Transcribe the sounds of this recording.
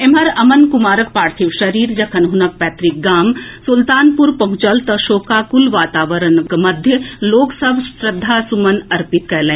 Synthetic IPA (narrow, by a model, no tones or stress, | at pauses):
emɦɐɾɐmənkʊmaːɾək̚paːɾt̪ʰiʋʃɐɾiːɾd͡ʒɐkʰənɦʊnək̚pɛːt̪ɾik̚ɡaːmsʊlt̪aːnpuɾpɐɦʊ̃t͡ʃəlt̪ɐʃoːkakulʋaːt̪aːʋəɾənkmɐd̪ʱjəloːksɐbʱsɾəd̪ʱːaːsumənɐɾpɪt̪kɛːlẽː